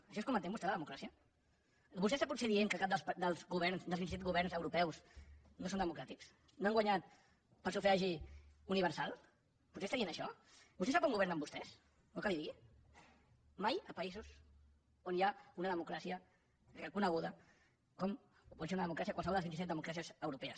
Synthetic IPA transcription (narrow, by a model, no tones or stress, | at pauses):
əʃɔeskɔmə̃nt̪embust̪eləðəmukɾasiə | bust̪ɛst̪aput̪seðieŋkəkap̚d̪əd̪əlˠzɣuβɛɾnsd̪əlzβinisɛt̪ɡuβ̞ɛɾnzəwɾupɛwz | nosond̪əmukɾat̪iks | noaŋɡwaɲat̪ | pəlsufeaʒiuniβəɾsalˠ | put̪sest̪aðienəʃɔbust̪esapuŋɡuβɛɾnəmbust̪ɛs | nokaβiði | majəpɐizus | onjaunəðəmukɾasiə | rəkunəɣuðə | kɔm | pɔseunəðəmukɾas̬iəkwalsβɔld̪əlzβint̪sɛt̪əmukɾasiəzəwɾupɛəs